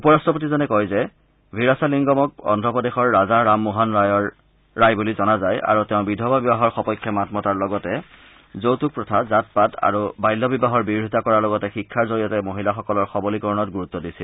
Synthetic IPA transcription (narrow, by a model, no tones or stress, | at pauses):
upɔɹastɔp̬otizɔnɛkɔjzɛ | bʱiɹasaliŋɡɔmɔk̚ɔ̰ndʱɔpɔdexɔɹːazaɹamːuɦanɹajɔɹː | ajbulizɔnazaja̰ɹuteʊ̃bidʱɔbabibaɦɔɹxɔpɔjkʰːɔmatmɔtaɹlɔɡɔtɛ | zowtuk̚pɹɔtʰazat̚pata̰ɹubajlːɔbibaɦɔɹbiɹʱitakɔɹaɹlɔɡɔtɛxikʰːaɹzoɹijɔtɛmoɦilaxɔkɔlɔɹxɔbɔlikɔɹɔnɔtɡuɹut̪ːɔdisil